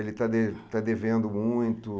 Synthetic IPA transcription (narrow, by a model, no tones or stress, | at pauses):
elɪt̪ad̪et̪ad̪evẽnd̪ʊmũj̃t̪ʊ